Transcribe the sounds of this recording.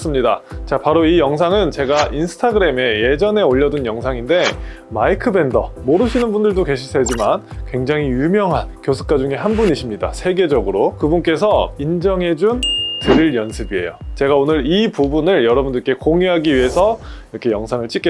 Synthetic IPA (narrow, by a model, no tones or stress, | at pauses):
s͈ɯmɲidat͡ɕapaɾoijʌŋs̬ʰaŋɯnt͡ɕe̞ɡaʔinsʰɯ̥tʰaɡɯɾe̞me̞je̞d͡ʑʌne̞oʎːʌdunjʌŋsʰaŋinde̞ | maikʰɯbe̞ndʌmoɾɯɕʰinɯnbundɯɭdoke̞ɕʰiɭsʰed͡ʑimankwe̞ŋd͡ʑaŋɦijumjʌŋɦankjos̬ʰu̥k͈̚ad͡ʑuŋe̞ɦanbuniɕʰimɲida̰sʰe̞ɡe̞d͡ʑʌɡɯɾokɯbunk͈e̞s̬ʰʌind͡ʑʌŋe̞d͡ʑuntɯɾiɭjʌnsʰɯbie̞̰jot͡ɕe̞ɡaonɯɾipubunɯɭjʌɾʌbundɯk͈e̞koŋiɦaɡiɥiɦe̞sʰʌiɾʌkʰe̞jʌŋsʰaŋɯɭt͡ɕ͈ik͈e